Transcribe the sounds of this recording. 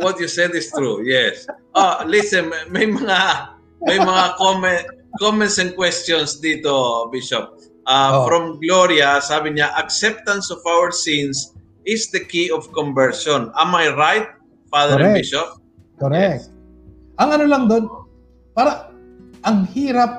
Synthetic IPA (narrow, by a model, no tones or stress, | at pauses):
wɐt̪̚jusɛd̪ɪst̪ɹujɛsʔolisɛnmɐjmɐŋa | mɐjmɐŋakomɛnt̪ | komɛ̃nt̪sɐŋkwɛst̪jɔnsd̪iːt̪obiʃop̚ | ʔafɾɔmɡloɾjɐsaːbɪɲaʔɐksɛp̚t̪ɐ̃nsɔfawəɹsĩns | ɪsd̪ɐkiɔfkɔ̃mbɛɹʃɔnɐmːajɹajt̪̚ | faðɛɾɐ̃nnɛbiʃop̚ | koɾɛk̚t̪ | ʔɐŋɐnolɐŋd̪on | paːɾɐ | ʔɐŋhiːɾɐp̚